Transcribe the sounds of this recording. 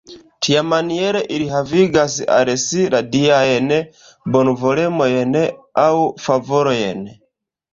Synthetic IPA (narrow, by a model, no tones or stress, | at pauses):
tʰijamaniɛɾɛʔiɾiɦaviɡasiʔa̰ɾɛsiɾadiaɛnɛ | bɔnuvɔlɛmɔjɛnɛaufavɔɾɔjɛ̰nɛ